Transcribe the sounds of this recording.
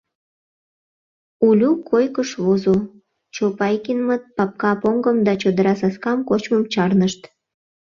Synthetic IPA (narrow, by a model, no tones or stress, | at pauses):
ulʲukʰojkəʃβozo | t͡ɕopɑjkinmət̪̚pɑp̚kɑpoŋɡəmd̪ɑt͡ɕod̪əɾɑsɑskɑmkot͡ɕməmt͡ɕɑrnəʃt̪